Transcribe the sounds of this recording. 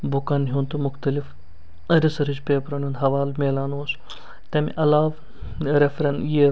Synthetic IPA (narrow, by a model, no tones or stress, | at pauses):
bʊkanɦuːnt̪umʊxt̪ɐlif | ɐɾisɐɾid͡ʒpeːpɾɐnʲjuːnd̪ɦɐʋaːlmeːlaːnus | t̪ɐmḭʔɐlaːʋ | ɾefɾɐnji